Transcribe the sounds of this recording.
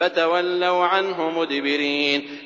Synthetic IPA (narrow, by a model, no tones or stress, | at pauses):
at̪awalːawʕanɦʊmʊd̪bɪɾiːn